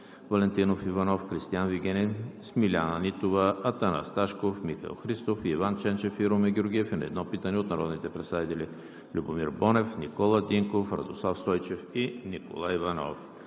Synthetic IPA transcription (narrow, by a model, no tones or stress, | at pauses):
vɐlɛnt̪inofivɐnɔfkɾist̪ijanviɡʲɛnʲɛsmilʲanənit̪ovəɐt̪ana̰st̪aʃkofmixɐ̰lˠxɾist̪ofiːvant͡ʃɛnt͡ʃɛfiɾomɛɡʲioɾɡʲiɛfinɐ̰ɛ̰d̪nɔpit̪ənɛot̪nɐɾɔ̰d̪nit̪ɛpɾɛt̪sad̪it̪ɛlʲi | lʲubomiɾbɔnɛfnikɔlˠəd̪iŋkofɾɐ̰d̪oslˠafst̪ɔjt͡ʃɛfiniko̰lˠaivɐnɔ̰f